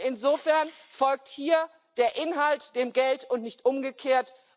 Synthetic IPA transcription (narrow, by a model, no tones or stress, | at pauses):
ɪnzoːfɛɐn | fɔlk̚thiːɐ | d̥eːɐʔɪnɦaltd̥eːmɡɛltʊntnɪçtʔʊmɡəkʰeːɐt